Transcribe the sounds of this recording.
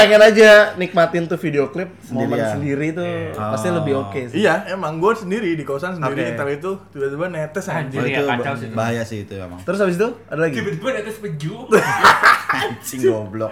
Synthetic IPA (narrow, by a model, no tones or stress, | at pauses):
aŋanad͡ʒanik̚mat̪ɪnt̪ufideoklɪp̚sənodiɾansəndiɾit̪upast̪iləbɪɦokesijaemaŋɡosəndiɾidikosansəniɾiːəɾit̪ut̪ibat̪ubanet̪ɛsad͡ʒiut͡ʃabaɦajasɪhit̪uḛma̰ŋt̪əɾʊsabɪs̬t̪uadalaɡibt̪banet̪ɛspəd͡ʒu | siŋɡoblɔk̚